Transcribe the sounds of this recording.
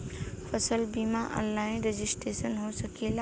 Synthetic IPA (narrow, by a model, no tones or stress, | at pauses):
fʰəsəlbiːmaʔɔ̰̃lːaːɪ̃nɾed͡ʒɪsʈɾeːsənɦosɐkela